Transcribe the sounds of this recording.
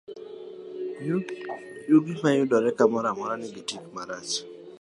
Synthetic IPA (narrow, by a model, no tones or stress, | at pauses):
juɡimajʊdɔɾɛkamɔɾamɔɾanɪɡitikmaɾat͡ʃ